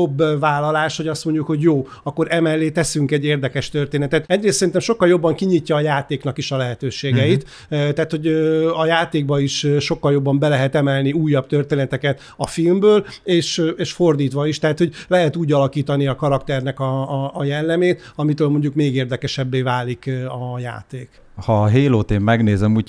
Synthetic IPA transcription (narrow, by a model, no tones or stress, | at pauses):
obːvaːlːɒlaːʃho̞ɟɒst̪mo̞ɲɟukho̞ɟjoː | ɒkːo̞ɾʔɛmɛlːeːt̪ɛsyŋkɛɟːeːrd̪ɛkɛʃt̪ørt̪eːnɛt̪ɛt̪ɛɟreːssɛɾint̪ɛmʃo̞kːɒljo̞bːɒŋkiɲicːɒːjaːt̪eːknɒkiʃɒlɛɦɛt̪øːʃeːɡɛit̪ | t̪ɛaːt̪ho̞ɟɒjaːt̪eːɡbɒiʃʃokːɒljobːɒmbɛlɛɦɛt̪ɛmɛlniuːjːɒb̚t̪ørt̪eːnɛt̪ɛkɛt̪ | ɒfilmbøːleːʃeːʃfo̞rd̪iːt̪ʋɒiʃt̪ɛɦat̪ho̞ɟlɛɦɛt̪uːɟɒlɒkiːt̪ɒniɒkɒɾɒkt̪ɛrnɛkɒːjɛlːɛmeːt̪ɒmit̪øːlmo̞ɲɟukmeːɡeːrd̪ɛkɛʃɛbːeːvaːlikɒja̰ːt̪eːk | hɒɦeːloːt̪eːmːɛɡneːzɛmuːc